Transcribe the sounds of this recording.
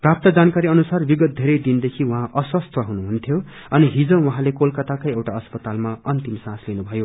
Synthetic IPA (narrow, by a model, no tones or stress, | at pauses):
prap̚t̪ʌd͡zankaɾiʌnusarbiɡʌt̪̚d̪ʱeɾʌjd̪ind̪ekʰiwuɦãʔʌswʌst̪ʰʌɦunuɦunt̪ʰjo | ʌniɦid͡zʌ̃wuɦãlekolkʌt̪akʌjewʈaʌspʌt̪almaʌnt̪imsãslinubʱʌjo